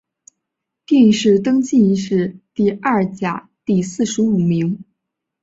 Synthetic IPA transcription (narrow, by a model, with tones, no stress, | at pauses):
t̪i˥˧n˧˥ʂɻ̩˥˩t̪̬ɤ˥ŋt͡ɕi˥˩i˧˥ʂɻ̩˥˩t̪i˥˧ɐ˞˥˩t͡ɕja̰˨˩˦ | t̪i˥˧sɹ̩˥˩ʂɻ̩˧˥u˨˩mi˧˥ŋ